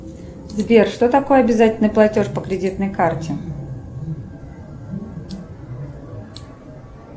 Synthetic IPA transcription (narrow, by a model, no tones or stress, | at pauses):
zbʲerʂt̪o̞t̪ɐko̞jəɐbʲɪzatʲɪlʲnəjplˠɐtʲo̞ʂpəkɾʲɪdʲit̪nəjkartʲɪ